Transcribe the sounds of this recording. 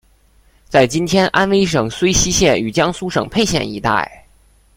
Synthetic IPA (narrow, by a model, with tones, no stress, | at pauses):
t͡sa˥˩ɪt͡ɕi˥nt̪ʰjɛ˥nʔa˥nwe˥ɪʂ̬ɤ˨˩ŋswe˥ɪɕi˥ɕjɛ˥˩ny˨˩t͡ɕjɑ˥ŋsu˥ʂɤ˨˩ŋpʰe˥˧ɪɕjɛ̰˥˩nḭ˧˥t̪a̰˥˩ɪ